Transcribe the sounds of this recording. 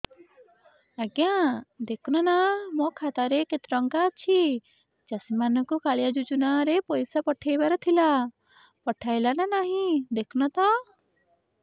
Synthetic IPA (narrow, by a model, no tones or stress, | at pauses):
aɡjãd̪ekʰnɔnamɔ̃kʰat̪aɾeket̪ɾɔŋkat͡ʃʰi | t͡ʃɐsimanɔkukaɭjad͡ʒut͡ʃunaɾepɔjsapɔʈʰejbaɾɔt̪ʰila | pɔʈʰajlananaɦĩd̪ekʰnɔt̪a